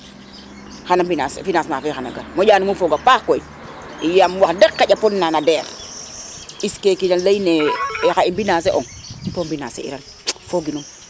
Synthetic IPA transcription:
xanambinasfinasmafexana̰ɡa̰mojaːnimufoɡapakkoin | ijamwakdekːaɟaponːanadeɾ | iskekiɲalainexaimbinas̬eʔoŋtombina̰sḛḭɾan | foɡinum

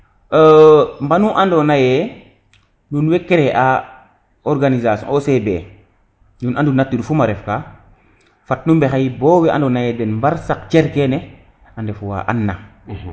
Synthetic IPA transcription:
əmbanuʔandonajɛ | nunwekːeɾeʔa | oɾɡanizasɔ̰̃nosebḛ | nunandunatːiɾfumaɾɛfka | fat̚numbexajiboːwɛʔã̰ndonajɛdenmbaɾsakt͡ʃeɾkene | andefuwa̰ʔa̰nːa̰

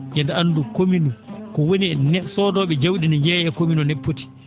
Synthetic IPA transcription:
jɛndɛandukominukɔwoniɛnɛsɔːdɔːɓɛd͡ʒawɗinajɛːjɛkominɔnepːoti̥

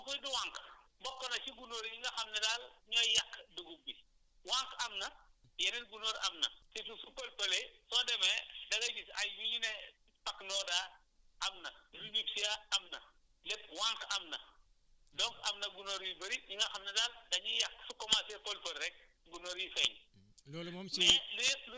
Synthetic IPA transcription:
ɐkujduwaŋk | bɔkːɔnɐciɡunoɾjiŋɡɐxɐmnɛdaːlɲɔjakːduɡubi | waŋkɐmnɐ | jɛnɛnɡunoːɾɐmnɐ̰titusukolpɐlesɔːdɛmɛdɐɡɐd͡ʒisɐjjuɲinɛ | pɐkːnɔːdaː | ʔɐmnɐlunipsijaɐmnɐ̰ | lɛt̚wãŋkɐmnɐ | dɔkɐmnɐɡunoɾjibɐɾiɲuŋɡɐxɐmnɐdaːldɐɲɔːjɐkːsukɔmasɛkolpɐlɾɛk̚ | ɡunoɾjifɛɲ | dɔːlumɔmɛlujɛt̚lu

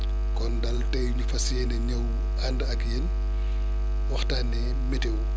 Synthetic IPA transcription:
kɔndɐltɛjuɲufɐsjɛnɛɲɐw | andəɐkjen | wɐxtaːnɛ | mɛtew

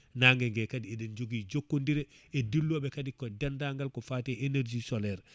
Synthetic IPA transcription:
naŋɡeŋɡekadieɗend͡ʒoɡid͡ʒokːondiɾeedilːuabekadikodandaŋɡalkofateʔeneɾd͡ʒisolɛɾ

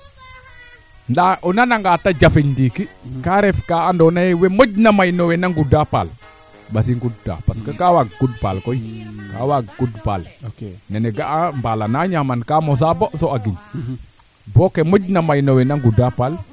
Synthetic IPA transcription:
ndaʔunanaŋɡatad͡ʒafiɲdikikaɾɛfkaandɔnajewemoɟnamajnowenaŋɡudapa̰l | bas̬iŋɡudda̰paskakawaɡ̚ɡud̚pa̰lkojika̰waɡɡ̥udpa̰lneneɡaʔambalanaɲamankamos̬abosoaɡiɲ | bokemoɟnamajnowenaŋɡudapal

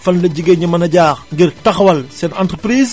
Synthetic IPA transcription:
fɐnlɐɟiɡeɲɐmɐnɐɟaːxŋɡirtɐxwɐlsɛnɐ̰ntrəpɾiːz

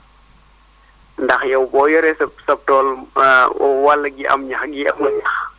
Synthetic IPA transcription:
ndɐxjɐwbɔːjɔɾɛsɛpsɐp̚tɔːl | ɔ̰walːɐɡiʔɐ̰mɲɐxɡiɐ̰mːɐɲɐx

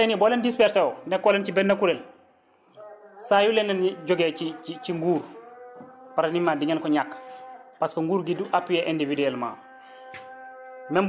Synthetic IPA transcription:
ɛnibɔːlɛndispɛɾsɛɔnɛkːɔlɛncibɛnːɐkuɾɛl | sajulɛndɐnɟɔɡɛːiiciŋɡuːɾ | paɾɐnimaːdiɲɐnkɔɲakːpaskoŋɡuːɾɡiduʔapːijɛʔɛndividɛlma̰ː | mɛm

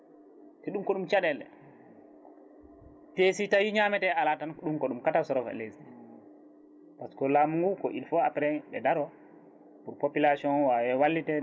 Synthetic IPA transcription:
tɛɗumkɔɗumt͡ʃaɗɛlɛ̰ | pesitawiɲamɛtɛalatanɗumkɔɗumkatasɔɾɔfa̰lesɛ | paskɔlamuŋɡukɔ̰ʔilfɔapɛɾɛnɓɛ̰daɾɔ | puɾpopilasiɔnwawɛwalːitɛ

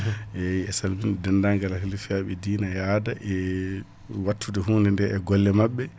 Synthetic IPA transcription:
ʔɛiɛsalbinɛdɛndaŋɡalahilfijaɓɛdiːnajaːdaʔɛ | watʰːudɛɦuːndɛndɛʔɛɡɔlːɛmaɓːɛ

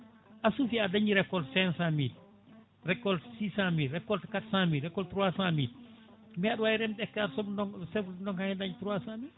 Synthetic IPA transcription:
ʔasufiadaɲiɾɛkːɔlsɛnsamiːt̚ | rɛkːɔlsisamiːtɾɛkːɔltkatsamiːtɾɛkːɔltɾuwasamiːt̚ | miaɗwajiɾɛmɗɛkːaɾsɔbnɔŋsɛfndɔŋahɛdaɲitɾuwasamiː

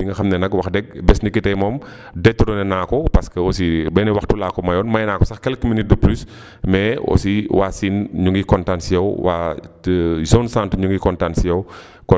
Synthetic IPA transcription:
biŋɡɐxɐmnɛnɐkwɐxdɛɡ̚bɛsnikitɛjmɔːm | dɛtːuɾɔnɛnaːkɔpɐskəɔsibɛnɛwɐxtulaːkɔmɐjɔːnmɐjnaːkɔsɐxkɛlkuminit̚dəplys | mɛɔ̰siwaːsinɲuŋɡikɔntansijɐwwʔa̰ː | zɔnsãːntuɲuŋɡikɔntansijɐw | kɔ

